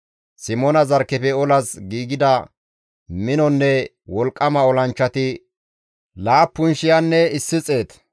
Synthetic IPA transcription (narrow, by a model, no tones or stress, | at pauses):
sɪmɔnɐzɐɾkːɛpɛɔlɐsɡiːɡɪd̪ɐ | mɪnɔnːɛ | wɔlkʼːɐmɐɔlɐnt͡ʃːɐt̪ɪ | laːpːʊnʃɪjɐnːɛɪsːɪt͡sʼe̞ːt̪